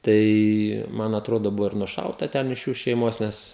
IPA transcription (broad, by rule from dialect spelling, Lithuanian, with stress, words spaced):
ˈtɐɪ ˈmɐn ɐtˈroːdoː ˈbʊʋoː ɪr nʊˈʃɐʊtɐ ˈtʲɛn ɪʃ ˈjuː ʃʲɛɪˈmoːs ˈnʲɛs